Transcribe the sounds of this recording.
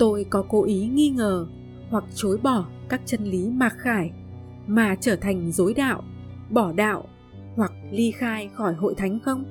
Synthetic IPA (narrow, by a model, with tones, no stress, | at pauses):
t̪o˧jkɔ˨˦ko˨˦ʔi˨˦ŋi˧ŋəː˨˩ | hwa˨˩k̚t͡ɕo˨˦jɓɔ˧˩ | kaː˦˥k̚t͡ɕə˧nli˨˦maː˨˩k̚xaː˧˩j | maː˨˩t͡ɕəː˧˩t̪ʰa˨˩jŋ̟zo˨˦jɗa̰ː˧˨w | ɓɔ˧˩ɗa̰ː˧˨wʔ | hwa˨˩k̚li˧xaː˧jxɔ˧˩jɦo̰˧˨jt̪ʰa˨˦jŋ̟xə˧wŋ͡m